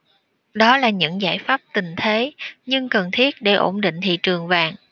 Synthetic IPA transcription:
ɗɔ˨˦laː˨˩ɲɨ̰˧˥ŋza̰ː˧˩jfaː˦˥p̚t̪i˨˩ŋ̟t̪ʰe˨˦ɲɨ˧ŋkə˨˩nt̪ʰi˦˥ət̚ɗe˧˩ʔo̰˧˩nɗḭ̈˧˨ŋ̟t̪ʰḭ˧˨t͡ɕɨ˨˩əŋvaː˨˩ŋ

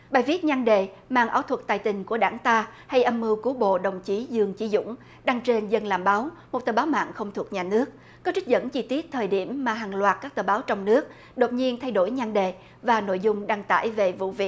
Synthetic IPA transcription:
ɓaː˨˩jvi˦˥ət̚ɲa˧ŋɗe˨ | ma̰ː˧˨ŋʔaː˧˦wt̪ʰwə˨˩k̚t̪aː˨˩jt̪ï˨˩ŋ̟ku˧˩əɗaː˧˩ŋt̪aː˧ha˧jʔə˧mːɨ˧wku˨˦ɓo̰˧˨ɗə˨˩wŋ͡mt͡ɕi˨˦zɨ˧˩əŋt͡ɕi˧˦zʊ̰˧˥ŋ͡m | ɗaː˧ŋt͡ɕe˧nzə˧nlaː˨˩mɓaː˨˦wmo˨˩t̚t̪əː˨˩ɓːwma̰ː˧˨nxə˧wŋ͡mt̪ʰu˨˩ək̚ɲaː˨˩nɨ˦˥ək̚ | kːɔ˨˦t͡ɕi˦˥k̟̚zə̰˧˥nt͡ɕi˧t̪i˦˥ət̚t̪ʰəː˨˩jɗi˧˩əmːaː˨˩ɦaː˨˩ŋlwaː˨˩t̚kaː˦˥k̚t̪əː˨˩ɓaː˨˦wt͡ɕɔ˧wŋ͡mnɨ˦˥ək̚ | ɗo˨˩t̚ɲi˧ənt̪ʰa˧jɗo˧˩jɲa˧ŋɗe˨ | vaː˨˩no̰˧˨jzʊ˧ŋ͡mɗaː˧ŋt̪a̰ː˧˩jve˨˩vṵ˧˨vḭ˧˨əʔ̚

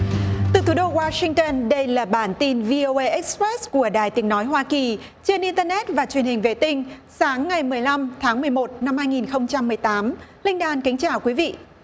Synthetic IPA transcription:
t̪ɨ˨˩t̪ʰu˨˦ɗo˧ɣwaː˧sï˧ŋ̟t̪ə˧nɗə˧jlaː˨˩ɓaː˧˩nt̪i˧nvi˧ʔo˧ʔə˧ʔɛ˦˥k̚spɛ˦˥sku˧˩əɗaː˨˩jt̪i˨˦əŋnɔ˨˦jɦwaː˧ki˨˩ | t͡ɕe˧nʔi˧nt̪əː˧nɛ˦˥t̚vaː˨˩t͡ɕwi˨˩ənhï˨˩ŋ̟ve˧˩t̪ï˧ŋ̟saː˨˦ŋːa˨˩jmɨ˨˩əjla˧mt̪ʰaː˨˦ŋmɨ˨˩əjmo˨˩t̚na˧mhaː˧jŋi˨˩nxə˧wŋ͡mt͡ɕa˧mːɨ˨˩əjt̪aː˨˦mlï˧ŋ̟ɗaː˧nka˨˦ŋ̟t͡ɕaː˧˩wkwi˨˦vḭ˧˨ʔ

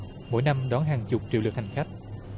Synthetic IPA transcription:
mo̰˧˥˦jna˧mɗɔ˨˦nɦaː˨˩ŋt͡ɕʊ˨˩k͡p̚t͡ɕḭ˨˧˨lɨ˨˩ək̚ha˨˩ŋ̟xa˦˥jk̟̚

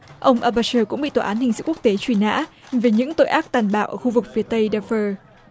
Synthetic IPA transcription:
ʔə˧wŋ͡mʔaː˧ɓaː˧t͡ɕəː˧kʊ̰˧˥ŋ͡mɓḭ˧˨t̪waː˨˩ʔːnhï˨˩ŋ̟sɨ̰˧˥ku˦˥ək̚t̪e˨˦t͡ɕwi˧˩na̰ː˧˥ve˨˩ɲɨ̰˧˥ŋt̪o̰˧˨jʔaː˦˥k̚t̪aː˨˩nɓa̰ː˧˨wʔəː˧˩xu˧vɨ˨˩k̚fi˨˦ət̪ə˧jɗaː˧fəː˧

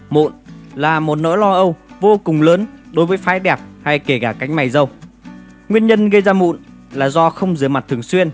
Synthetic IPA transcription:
mo̰˧˨nlaː˨˩mo˨˩t̚no̰˧˥jlɔ˧ʔə˧wvo˧kʊ˨˩ŋ͡mləː˨˦nɗo˨˦jvəː˨˦jfaː˨˦jɗɛ˨˩p̚ha˧jke˧˩kaː˧˩ka˨˦jŋ̟ma˨˩jzə˧w | ŋwi˧ənɲə˧nɣə˧jzaː˧mṵ˧˨n | laː˨˩zɔ˧xə˧wŋ͡mzɨ˨˦əjma˨˩t̚t̪ʰɨ˨˩əŋswi˧ən

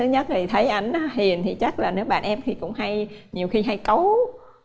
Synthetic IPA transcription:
ɨ˨˦ɲə˦˥t̚zi˨˩t̪ʰə˨˦jʔa˧jŋ̟ʔaː˨˦ɦi˨˩ənt̪ʰi˨˩t͡ɕa˦˥k̚laː˨˩nɨ˨˦əɓa̰ː˧˨nʔɛ˧mt̪ʰi˨˩kʊ̰˧˥ŋ͡mɦa˧jɲi˨˩əwxi˧ɦa˧jkə˨˦w

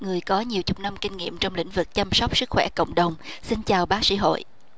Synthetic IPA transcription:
ŋɨ˨˩əjkɔ˨˦ɲi˨˩əwt͡ɕʊ˨˩k͡p̚na˧mkï˧ŋ̟ŋḭ˧˨əmt͡ɕɔ˧wŋ͡mlï˧˥ŋ̟vɨ˨˩k̚t͡ɕa˧msɔ˦˥wk͡p̚sɨ˦˥k̚xwɛ̰˧˩kə̰˧˨wŋ͡mɗə˨˩wŋ͡msi˧nt͡ɕaː˨˩wɓaː˨˦sḭ˧˥˦ɦo̰˧˨jʔ

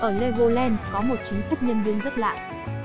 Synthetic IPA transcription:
ʔəː˧˩le˧ɣo˧lɛ˧nkɔ˨˦mo˨˩t̚t͡ɕï˨˦ŋ̟sa˦˥k̟̚ɲə˧nvɨ˧əŋzə˦˥t̚la̰ː˧˨j

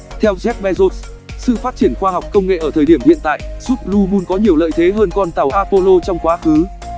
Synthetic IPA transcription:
t̪ʰɛ˧wzɛ˦˥k̚ɓɛ˧zo˦˥t̚ | sɨ̰˧˨faː˦˥t̚t͡ɕi˧˩ənxwaː˧ɦɔ˨˩wk͡p̚kːə˧wŋ͡mŋḛ˧˨ʔəː˧˩t̪ʰəː˨˩jɗi˧˩əmhḭ˧˨ənt̪a̰ː˧˨jzu˦˥p̚lu˧mu˧nkɔ˨˦ɲi˨˩əwlə̰ː˧˨jt̪ʰe˨˦ɦəː˧nkɔ˧nt̪a˨˩wʔaː˧po˧lo˧t͡ɕɔ˧wŋ͡mkwaː˨˦xɨ˨˦

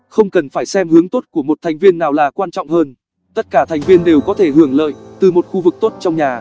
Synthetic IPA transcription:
xə˧wŋ͡mkə˨˩nfaː˧˩jsɛ˧mhɨ˨˦əŋt̪o˦˥t̚ku˧˩əmo˨˩t̚t̪ʰa˨˩jŋ̟vi˧ənːaː˨˩wlaː˨˩kwaː˧nt͡ɕɔ̰˧˨ŋ͡mhəː˧n | t̪ə˦˥t̚kaː˧˩t̪ʰa˨˩jŋ̟vi˧ənɗe˨˩wkɔ˨˦t̪ʰe˧˩ɦɨ˧˩əŋlə̰ː˧˨jt̪ɨ˨˩mo˨˩t̚xu˧vɨ˨˩k̚t̪o˦˥t̚t͡ɕɔ˧ŋ͡mɲaː˨˩

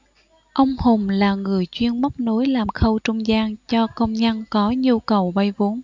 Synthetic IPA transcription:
ʔə˧wŋ͡mho˨˩ŋ͡mlaː˨˩ŋɨ˨˩əjt͡ɕwi˧ənmə˦˥k͡p̚no˨˦jlaː˨˩mxə˧wt͡ɕʊ˧wŋ͡mzaː˧ŋt͡ɕɔ˧kə˧wŋ͡mɲə˧nkɔ˨˦ɲu˧kə˨˩wɓə˧jvo˨˦n

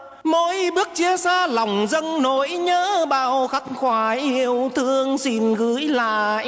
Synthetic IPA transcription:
mo˧˦jɓɨ˦˥ək̚t͡ɕi˧əsaː˧lɔ˨˩wŋ͡mzə˧ŋno˧˨˦jɲəː˧˥ɓaː˧˩wxa˦˥k̚xwaː˧˩ʔi˧˩əwt̪ʰɨ˧əŋsi˧˩nɣɨ˧˦jla̰ː˧˨jʔ

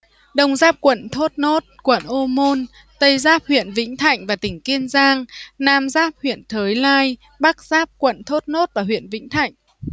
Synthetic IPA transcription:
ɗə˧wŋ͡mzaː˦˥p̚kwə̰˧˨nt̪ʰo˦˥t̚no˦˥t̚kwə̰˧˨nʔo˧mo˧n | t̪ə˧jzaː˦˥p̚hwḭ˧˨ənvḭ̈˧˥ŋ̟t̪ʰa̰˧˨jŋ̟vaː˨˩t̪ï˧˩ŋ̟ki˧ənzaː˧ŋnaː˧mzaː˦˥p̚hwḭ˧˨ənt̪ʰəː˨˦jlaː˧j | ɓa˦˥k̚z̥aː˦˥p̚kwə̰˧˨nt̪ʰo˦˥t̚no˦˥t̚vaː˨˩ɦwḭ˧˨ənvḭ˧˥ŋ̟t̪ʰa̰˧˨jŋ̟

